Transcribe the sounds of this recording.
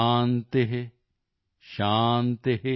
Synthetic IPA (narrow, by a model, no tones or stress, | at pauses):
nt̪eɦe | ʃaːnt̪eɦe